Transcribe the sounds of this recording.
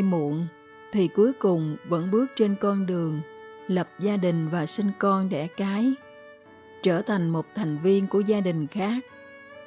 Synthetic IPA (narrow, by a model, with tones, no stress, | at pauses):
mṵ˧˨ən | t̪ʰi˨˩ku˨˦jkʊ˨˩ŋ͡mvə̰˧˥nɓɨ˦˥ək̚t͡ɕe˧nkɔ˧nɗɨ˨˩əŋlə˨˩p̚zaː˧ɗï˨˩ŋ̟vaː˨˩sï˧ŋ̟kɔ˧nɗɛ̰˧˥˩kaː˨˦j | t͡ɕəː˧˩t̪ʰa˨˩jŋ̟mo˨˩t̚t̪ʰa˨˩jŋ̟vi˧ənku˧˩əzaː˧ɗï˨˩ŋ̟xaː˦˥k̚